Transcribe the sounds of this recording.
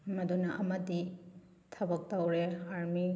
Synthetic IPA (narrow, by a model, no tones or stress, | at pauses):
mɐdunɐʔɐmɐdi | tʰɐbɐk̚tɐwɾeaɾmi